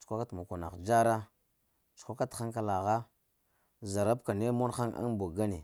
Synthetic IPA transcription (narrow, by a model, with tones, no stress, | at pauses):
t͡ʃu̥˨kʷa˦ka˦tma˨ka˨na̰˨d͡ʒa˦ɾa˦ | t͡ʃu̥˨xʷa˦ka˦txa˦ŋka˦la˨ɣa˦ | za˨ɾa˦bka˨ne˦mo˦nxa˦ŋa̰˦ŋbo˨ɡa˦ni˨